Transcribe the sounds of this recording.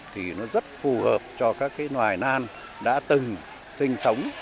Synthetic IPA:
t̪ʰi˨˩nɔ˨˦zə˦˥t̚fu˨˩həː˨˩p̚t͡ɕɔ˧kaː˦˥kːaː˨˦jnwaː˨˩jnaː˧n | ɗa̰ː˧˥t̪ɨ˨˩ŋ | sï˧ŋ̟sə˨˦wŋ͡m

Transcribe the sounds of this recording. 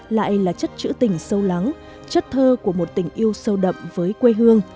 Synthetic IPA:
la̰ː˧˨jlaː˨˩t͡ɕə˦˥t̚t͡ɕɨ̰˧˥t̪ï˨˩ŋ̟sə˧wla˨˦ŋ | t͡ɕə˦˥t̚t̪ʰəː˧ku˧˩əmo˨˩t̚t̪ï˧˩ŋ̟ʔi˧əwsə˧wɗə̰˧˨mvəː˨˦jkwe˧ɦɨ˧əŋ

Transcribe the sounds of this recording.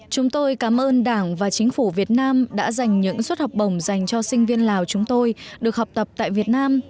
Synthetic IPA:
t͡ɕʊ˨˦ŋ͡mt̪o˧jkaː˨˦mʔəː˧nɗaː˧˩ŋvaː˨˩t͡ɕï˨˦ŋ̟fu˧˩vi˨˩ət̚naː˧mɗa̰ː˧˥za˨˩jŋ̟ɲɨ̰˧˥ŋswə˦˥t̚hɔ˨˩wk͡p̚ə˧˩wŋ͡mza˨˩jŋ̟t͡ɕɔ˧sï˧ŋ̟vi˧ənlaː˨˩wt͡ɕʊ˨˦ŋ͡mt̪o˧jɗɨ˨˩ək̚hɔ˨˩wk͡p̚t̪ə˨˩p̚t̪a̰ː˧˨jvi˨˩ət̚naː˧m

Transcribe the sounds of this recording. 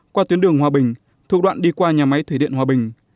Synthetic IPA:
kwaː˧t̪wi˨˦ənɗɨ˨˩əŋhwaː˨˩ɓï˨˩ŋ̟ | t̪ʰṵ˨˧˩ɗwa̰ː˧˨nɗi˧kwaː˧ɲaː˨˩ma˨˦jt̪ʰwe˧˩ḭ˧˨ənhaː˨˩ɓï˨˩ŋ̟

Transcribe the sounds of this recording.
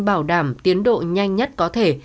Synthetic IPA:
ɓaː˧˩wɗaː˧˩mt̪i˨˦ənɗo̰˧˨ɲa˧jŋ̟ɲə˦˥t̚kɔ˨˦t̪ʰe˧˩

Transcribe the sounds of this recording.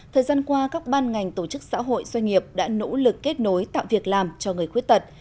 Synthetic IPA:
t̪ʰəː˨˩jzaː˧nkwaː˧kaː˦˥k̚ɓaː˧nŋa˨˩jŋ̟t̪o˧˩t͡ɕɨ˦˥k̚sa̰ː˧˥ɦo̰˧˨jzwa˧jŋ̟ŋi˨˩əp̚ɗa̰ː˧˥no̰˧˥lɨ˨˩kːe˦˥t̚no˨˦jt̪a̰ː˧˨wvi˨˩ək̚laː˨˩mt͡ɕɔ˧ŋɨ˨˩əjxwi˦˥ət̚t̪ə˨˩t̚

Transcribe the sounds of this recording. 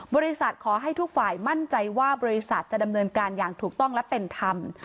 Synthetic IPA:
bɔː˧ɾi˦˥sa˨˩t̪̚kʰɔː˩˦ɦa˥˩jt̪ʰu˦˥k̚faː˨˩jma˥˩nt͡ɕa˧jwaː˥˩bɔː˧ɾi˦˥sa˨˩t̪̚t͡ɕa˨˩da˧mnɤː˧nkaː˧njaː˨˩ŋt̪ʰuː˨˩k̚t̪ɔ˥˩ŋlɛ˦˥pe˧nt̪ʰa˧m

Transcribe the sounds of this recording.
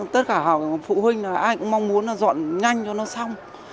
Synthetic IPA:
t̪ə˦˥t̚kaː˧˩ɦaː˨˩wm˨˩fṵ˧˨hwï˧ŋ̟naː˨˩ʔaː˧jkʊ̰˧˥ŋ͡mma˧wŋ͡mmu˨˦əna˨˩zɔ̰˧˨nŋa˧jŋ̟t͡ɕɔ˧nɔ˨˦sa˧wŋ͡m

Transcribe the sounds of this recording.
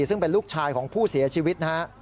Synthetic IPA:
sɯ˥˩ŋpe˧nluː˥˩k̚t͡ɕʰaː˧jkʰɔː˩˦ŋpʰuː˥˩si˨˩˦ɐt͡ɕʰiː˧wi˦˥t̪̚n˦ɦa˦˥ʔ

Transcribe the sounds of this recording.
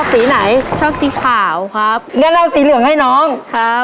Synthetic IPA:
siː˨˩˦na˩˦jt͡ɕʰɔː˥˩ŋt̪iː˦˥kʰaː˨˩˦wkʰa˦˥p̚ŋa˧˦nla˧wsiː˨˦lɯ˨˩əŋha˥˩jnɔː˦˥ŋkʰa˦˥p

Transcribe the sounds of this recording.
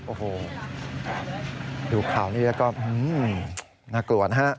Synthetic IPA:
ʔoː˨˩oː˨˩ | duː˨˩˦kʰaː˨˩˦wniː˥˩lɛː˦˥wkɔː˥˩ʔɯ˧˩ | naː˧˩klu˨˩ə˦t̪̚ɦa˦˥ʔ

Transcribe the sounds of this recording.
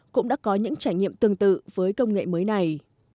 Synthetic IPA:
kʊ̰˧˥ŋ͡mɗa̰ː˧˥kɔ˨˦ɲɨ̰˧˥ŋt͡ɕaː˧˩jɲḭ˧˨əmt̪ɨ˨˩əŋt̪ɨ̰˧˨v̥əː˨˦jkə˧wŋ͡mŋḛ˧˨məː˨˦jna˨˩j

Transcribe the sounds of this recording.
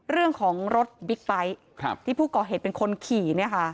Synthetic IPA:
ɾɯ˥˩əŋkʰɔː˩˦ŋɾo˦˥t̪̚bi˦˥k̚pa˦˥jʰ | t̪ʰiː˥˩pʰuː˥˩kɔː˨˩ɦeː˨˩t̪̚pe˧nkʰo˧nkʰiː˨˩ni˥˩ɐkʰa˦˥

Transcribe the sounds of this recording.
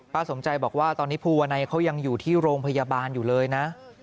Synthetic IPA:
pʰaː˨˧˩so˩˦mt͡ɕa˧jbɔː˨˩k̚waː˥˩t̪ɔː˧nːi˦˥pʰuː˧wa˧na˧jkʰa˦˥wja˧ŋjuː˨˩t̪ʰiː˥˩ɾoː˧ŋpʰa˧jaː˧baː˧njuː˨˩lɤː˧jna˦˥ʔ

